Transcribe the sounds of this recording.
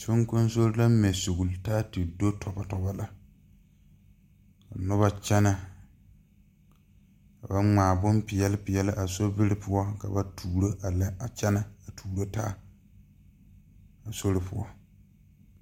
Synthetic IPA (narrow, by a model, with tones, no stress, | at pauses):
so˦ŋko˦n˦so˦ɾɪ˦la˦mɛ˨so˨ɣʊ˨ltaː˦tɪ˨do˦tʰɔ˨ba˦tɔ˨ba˦la˦ | ka̰˨nʊ˦βa˦t͡ʃɛ˦na˦ | ka˨ba˦ŋ͡maː˨bʊ˦mpɪ˨jɛ˦lɪ˦pɪ˨jɛ˦lɪ˦ʔa˨so˦bɪ˦ɾɪ˦pʊ˦ɔ˦ka̰˨ba˦tʰuː˨ɾo˦ʔa˨lɛ˦a˨t͡ʃɛ˦na˦a˨tʰuː˨ɾo˦taː˦ | a˨so˦ɾɪ˦pʊ˦ɔ˦